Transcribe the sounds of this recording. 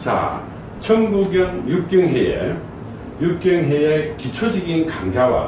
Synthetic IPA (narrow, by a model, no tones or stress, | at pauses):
t͡ɕa̰ | t͡ɕʰʌŋbuɡjʌŋjuk̚k͈jʌŋɦeḛ | juk̚k͈jʌŋɦeekit͡ɕʰod͡ʑiɡinkaŋd͡ʑʰawa̰